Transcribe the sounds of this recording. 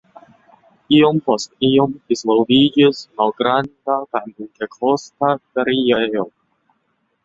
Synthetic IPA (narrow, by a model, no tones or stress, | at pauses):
iompostiomdizvolvid͡ʒismalɡɾandakajnintekʰostataɾiejo